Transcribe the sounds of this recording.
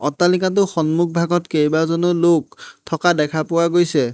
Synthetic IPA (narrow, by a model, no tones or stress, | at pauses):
ɔtalikat̬ʊxɔnmuk̚ʰbʱaɡɔtkejbazɔnɔlok̚tʰɔkadɛkʰapʊwaɡojsɛ